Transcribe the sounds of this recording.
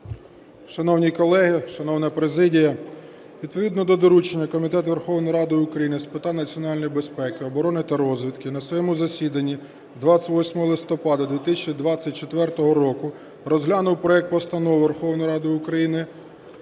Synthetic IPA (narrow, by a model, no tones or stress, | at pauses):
ʃɐnɔwnʲikɔlˠɛɦɪʃɐnɔwnɐpɾezɪdʲijɐ | ʋʲid̪̚pɔʋʲid̪nɔd̪ɔd̪ɔɾut͡ʃenʲːɐkɔmʲit̪ɛt̪ʋerxɔwnɔjɾɑd̪ɔjʊkɾɐjinɪspɪt̪ɑnɐt͡sʲiɔnɑlʲnɔjbespɛkɪɔbɔɾɔnɪt̪ɐɾɔzʲʋʲit̪kɪnɐsʋɔjɛmʊzɐsʲid̪ɐnʲːi | d̪ʋɑt͡sʲːɐʋɔsʲmɔɦɔlˠɪst̪ɔpɑd̪ɐd̪ʲʋʲit̪ɪsʲt͡ʃnʲid̪ʋɑt͡sʲːɐt̚ʲt͡ʃet̪ʋɛrt̪ɔɦɔɾɔkʊ | rɔzɦlʲanʊwpɾɔɛk̚t̪̚pɔst̪ɐnɔwʋerxɔwnɔjɾɑd̪ɔjʊkɾɐjinɪ